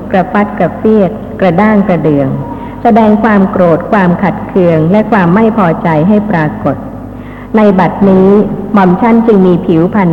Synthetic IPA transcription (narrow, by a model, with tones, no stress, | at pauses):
kɾa˧fa˦˥t̪̚ka˨˩p̚si˥˩ət̪̚kɾa˧daː˥˩ŋkɾa˧dɯ˨˩əŋ | sa˧dɛː˧ŋkʰwaː˧mkɾoː˨˩t̪̚kʰwaː˧mkʰa˨˩t̪̚kʰɯ˧əŋlɛ˦˥ʔkʰwaː˧mːa˥˩jpʰɔː˧t͡ɕa˧jɦa˥˩jpɾaː˧ko˨˩t̪̚ | na˧jba˨˩t̪̚niː˦˥mɔ˧mt͡ɕʰa˦˥nt͡ɕɯ˧ŋmiː˧pʰi˩˦wpʰa˧n